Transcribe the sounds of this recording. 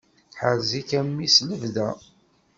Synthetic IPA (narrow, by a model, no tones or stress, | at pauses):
ħəɾzikæmːisləvðæ